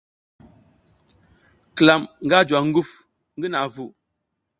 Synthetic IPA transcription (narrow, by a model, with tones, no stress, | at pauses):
kla˨mŋ̩˨ɡa˦˨d͡ʒwa˨ŋ̩˦ɡu˦˨f | ŋ˦ɡi˦na˨vu˨